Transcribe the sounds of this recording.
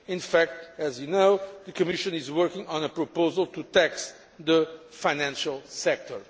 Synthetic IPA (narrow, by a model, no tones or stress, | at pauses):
ɪ̃nfæk̚t̪ɛzjunoʊðɨkʰɨmɪʃɨ̃nɪzwəɹkɪ̃ŋɔ̃nəpɹɔpoʊzəlˠt̪ut̪ɛks | ðəfaɪnæ̃nʃəlˠsɛk̚t̪ʰɔ˞